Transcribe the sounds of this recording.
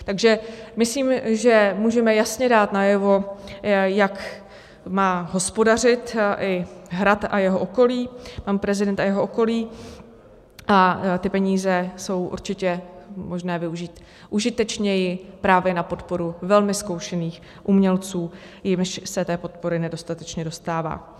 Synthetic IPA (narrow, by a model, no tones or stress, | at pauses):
t̪aɡʒɛmɪsliːmʒɛmuːʒɛmɛjasɲɛdaːt̪najɛvo̞ | jak | maːɦo̞spo̞dar̝ɪt̪ʔɪɦɾat̪ajɛɦo̞ʔoko̞liːmaːmpɾɛzɪdɛnt̪ajɛɦoʔoko̞liː | ʔat̪ɪpɛɲiːzɛso̞wʔṵɾt͡ʃɪcɛmo̞ʒnɛːvɪuʒiːt̪ | ʔuʒɪt̪ɛt͡ʃɲɛjɪpɾaːvjɛnapo̞t̪po̞ɾuvɛlmɪsko̞wʃɛniːx | ʔumɲɛlt͡suː | jɪmʃsɛt̪ɛːpo̞t̪̚po̞ɾɪnɛdo̞st̪at̪ɛt͡ʃɲɛdo̞st̪aːva̰ː